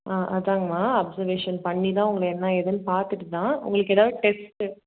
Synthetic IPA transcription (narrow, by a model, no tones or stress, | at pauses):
ʔaːʔɐ̰ðãːŋɡɐmaːɐbsɐɾʋeːʂɐnpɐɳːit̪ãːʊŋɡɐɭɐɛnːaɛðɐnɯpaːɾt̪ɯʈːɯt̪ãːʊ̰ŋɡɐɭɯkːɛːðaːʋeːʈɛsʈɯ